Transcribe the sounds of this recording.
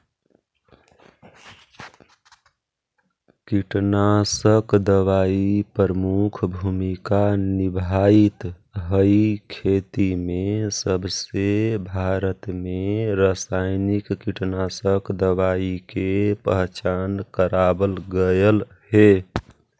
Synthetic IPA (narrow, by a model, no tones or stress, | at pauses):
kiʈnasəkd̪əʋaipəɾəmukʰbʱumikanibʱait̪ | ɦəikʰet̪imesəbsebʱaɾət̪meɾəsaɪnikːiʈnasəkd̪əwaikepəɦt͡ʃankəɾabəlɡəjəl | ɦe